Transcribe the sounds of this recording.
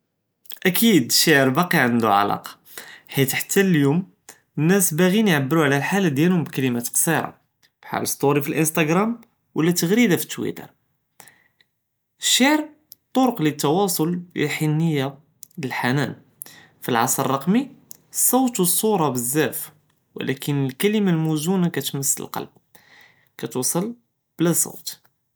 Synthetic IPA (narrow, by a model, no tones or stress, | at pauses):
ʔækʰid̪əʃːaʕəɾbɑqiʕand̪uʕa̰lɑ̰qɑ̥ | ħit̪ħt̪ːælljum | nːæsbæɣinjʕabːəɾuʕlælħalːæd̪jælhʊmbkælimæt̪qsˤiɾˤɑ̰ | b̥ħa̰ləsˤt̪ˤuɾifilʔənst̪æɡɾˤæm | wʔəlːæt̪ːəɣɾid̪afi̥t̪ːwḭt̪ə̰ɾˤ | əʃːaʕəɾ | t̪ˤːoɾʊqlit̪ːɑwɑsˤoljḭħinːəjːa | ləlħanæn | filʕɑ̰sˤɾərˤːɑqmi | sˤːɑwt̪wəsˤːuɾˤɑbəzːæf | wə̰lʔækənəlkæləmalmuzunakæt̪məsːlə̰lqɑ̰lb̚ | kæt̪usˤəl | b̥læsˤo̰wt̪